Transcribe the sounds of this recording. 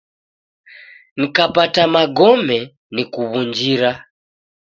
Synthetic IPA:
ŋikapatamaɡɔmɛ | nikuβund͡ʒiɾa

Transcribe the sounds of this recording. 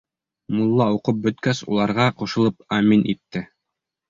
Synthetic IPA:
mulˠːɑuqɤp̚bɵ̆t̪kæsṵlˠɑɾʁɑquʃɤ̆lˠɤp̚æminʔit̪ːɘ

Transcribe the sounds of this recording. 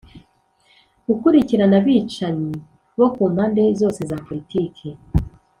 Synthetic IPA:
ɡ̥ukuɾiciɾanaβiːt͡ʃaɲi | βo̞kuːmhaːnde̞zo̞ːse̞zaːpo̞ɾitiːkʰe

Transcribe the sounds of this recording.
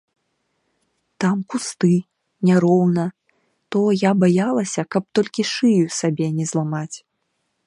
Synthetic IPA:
t̪amkust̪ɨ | nʲaɾɔwnɐ | t̪ɔjabajalˠɐsʲɐkɐp̚t̪ɔlʲkʲiʂɨjusabʲɛnʲɛzlˠamat͡sʲ

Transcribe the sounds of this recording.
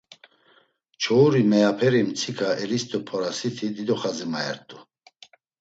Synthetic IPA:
t͡ʃʰɔuɾimɛapʰɛɾimt͡sʰikʰʼaɛlist̪ʼɔpʰɔɾasit̪ʰid̪id̪ɔχazimaɛ̰ɾt̪ʼu

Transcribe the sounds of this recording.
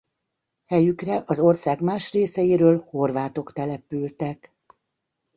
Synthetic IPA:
hɛjykrɛʔɒzo̞rsaːɡmaːʃreːsɛjiɾøːlho̞rʋaːt̪o̞kt̪ɛlɛpylt̪ɛk

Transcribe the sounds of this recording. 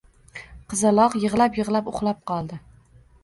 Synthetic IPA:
qʰɨzalˠɒqjɨʁlˠapjɨʁlˠapʊ̰χlˠap̚qʰɒlˠd̪ɪ

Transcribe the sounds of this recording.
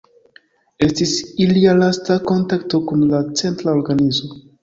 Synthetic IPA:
e̞stisilialastako̞ntakto̞kumlat͡se̞ntɾao̞ɾɡanizo

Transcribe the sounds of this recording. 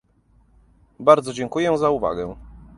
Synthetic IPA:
baɾd̪zɔd͡ʑɛŋkujɛzauva̰ɡɛ

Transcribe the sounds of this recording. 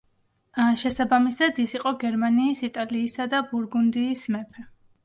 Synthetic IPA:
ʃɛsabamisad̪isiqʼɔɡɛɾmaniːsit̪ʼaliːsad̪abuɾɡund̪iːsmɛpʰɾɛ

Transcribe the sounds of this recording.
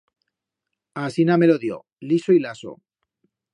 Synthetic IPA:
asinameloðjo̰ | lisoilaso̰

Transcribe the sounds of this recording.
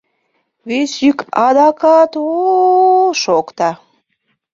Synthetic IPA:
βesykɑd̪ɑkɑt̪o | ʃokt̪ɑ

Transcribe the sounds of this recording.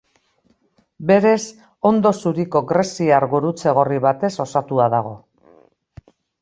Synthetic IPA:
be̞ɾe̞s | o̞nd̪o̞suɾiko̞ɡɾe̞siaɾɣuɾut͡se̞ɣ̞o̞riβat̪e̞so̞sat̪uaðaɣ̞o̞

